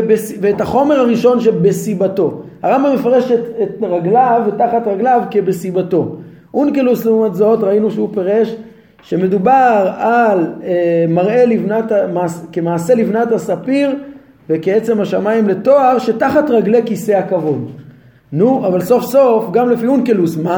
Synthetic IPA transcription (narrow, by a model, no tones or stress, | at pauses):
besiveːtaχo̞me̞ʁhaʁiʃo̞nʃebe̞sibato̞haʁambamːe̞faʁe̞ʃetetʁaɡlavːetaχatʁaɡlavkebe̞sibato̞ | ʔunkeluslumazaotʁainuʃeupeʁe̞ʃ | ʃe̞me̞dubaʁalemaʁe̞livnatamaːskemaːse̞livnathasapiʁ | vekeet͡se̞maʃamaimle̞to̞aʁʃetaχatʁaɡle̞kise̞akavon | nuavalso̞fso̞fɡamlefiunkelusma